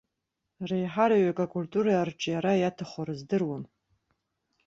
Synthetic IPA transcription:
rejħaɾaɥakʼakʼultʼuɾaːrʈ͡ʂʼjaɾajatʰaχʷaɾɨzdɨrwan

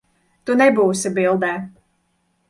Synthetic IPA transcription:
t̪unɛbuːsibilˠd̪ɛː

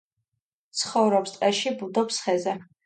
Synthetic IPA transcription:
t̪sʰχɔvɾɔpst̪ʼɛʃibud̪ɔpsχɛzɛ

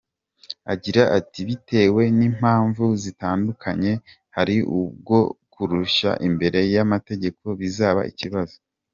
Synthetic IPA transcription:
a̰ɟiɾaʔatiβitʰe̞ːwe̞niːm̥haːɱvuzitaːndukʰaɲe̞ | haɾiʔubɡo̞kuɾuʃa̰ʔimbe̞ɾe̞jamate̞ɟe̞ko̞βizaːβa̰ʔḭciβazo̥

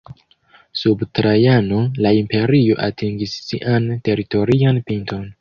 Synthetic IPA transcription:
subtɾajano̞laimpe̞ɾio̞ʔatʰiŋɡisːiʔante̞ɾito̞ɾianpinto̞n

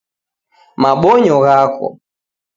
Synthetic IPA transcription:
maɓɔɲɔɣakɔ̰

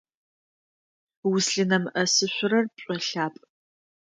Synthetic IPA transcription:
wʊsɬɨnɐmʔɐsɨɕʷʊɾɐrpɕʷʼɔɬaːpʼ

